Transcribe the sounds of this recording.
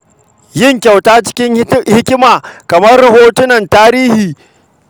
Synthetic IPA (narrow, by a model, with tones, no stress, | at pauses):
jɪ˦˨ŋkʲa˨wtaː˦t͡ʃɪ̥˦kʲɪ˦ŋhɪ˦kʲɪ˦maː˨kɐ˨mɐ˦rːɐ˨ɦoː˦tʊ˦nɐ˨ntaː˦ɾiː˦hiː˨